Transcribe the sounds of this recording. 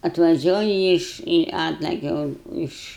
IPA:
ɐtʋɐˈʒʲuɔjɪ ˈɪʃ ɪ ˈɑːtlˠɐkʲɛ ʊn ɪʃ

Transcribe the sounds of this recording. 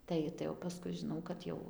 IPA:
ˈtɐɪ tɐɪ oː pɐˈskʊɪ ʒʲɪˈnɐʊ kɐt ˈjɛʊ

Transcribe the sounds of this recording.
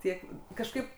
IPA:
ˈtʲiɛk kɐʃˈkɐɪp

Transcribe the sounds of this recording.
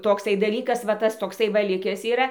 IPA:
toːkˈsɐɪ dɐˈlʲiːkɐs ʋɐ ˈtɐs toːkˈsɐɪ ˈʋɐ ˈlʲɪkʲɛs iːˈrɐ

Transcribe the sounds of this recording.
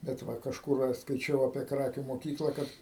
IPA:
bʲɛt ˈʋɐ kɐʃˈkʊr ɐʃ skɐɪˈt͡ʃʲɛʊ ɐpʲiɛ ˈkrɑːkʲuː moːˈkʲiːklˠɐ ˈkɐt

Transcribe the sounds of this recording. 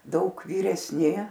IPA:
ˈdɐʊk ʋʲiːrʲɛsʲˈnʲɪ

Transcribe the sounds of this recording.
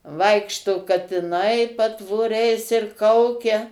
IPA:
ˈʋɐɪkʃtoː kɐtʲɪˈnɐɪ pɐtʋoːˈrʲɛɪs ɪr ˈkɐʊkʲɛ

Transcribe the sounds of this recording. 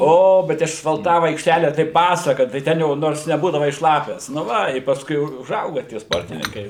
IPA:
ˈoː ˈbʲɛt ɪʃɐsfɐlˠˈtɑːʋʊ ɐɪkʃʲˈtʲæːlʲɛ tɐɪ ˈpɑːsɐkɐ tɐɪ ˈtʲɛn jɛʊ ˈnoːrs nʲɛˈbuːdɐʋɐɪ ˈʃlˠɑːpʲɛs nʊ ˈʋɐ ɪ pɐsˈkʊɪ ʊ ʊˈʒɐʊɡɐ tʲiɛ ˈspoːrʲtʲɪnʲɪŋkɐɪ

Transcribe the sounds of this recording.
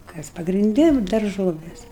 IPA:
ˈkɐs pɐɡrʲɪnʲˈdʲɪ ˈnʊ dɐrˈʒoːʋʲeːs

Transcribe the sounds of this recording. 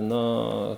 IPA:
ˈnʊ

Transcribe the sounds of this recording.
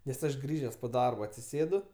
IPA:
nʲɛs ˈɐʃ ˈɡrʲiːʒʲɛs poː ˈdɐrboː ɐtʲsʲɪˈsʲeːdʊ

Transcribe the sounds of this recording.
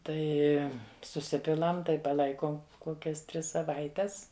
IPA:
ˈtɐɪ sʊˈsʲɪpʲɪlˠɐm ˈtɐɪ pɐˈlˠɐɪkoːm koːˈkʲɛs ˈtʲrʲɪs sɐˈʋɐɪtʲɛs

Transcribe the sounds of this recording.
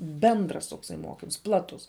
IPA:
ˈbʲɛndrɐs toːkˈsɐɪ ˈmoːkʲɪms ˈplˠɑːtʊs

